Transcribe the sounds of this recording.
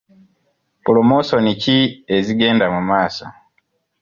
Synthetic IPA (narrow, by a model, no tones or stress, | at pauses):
pulomosonicieziɡeːndamumaːsa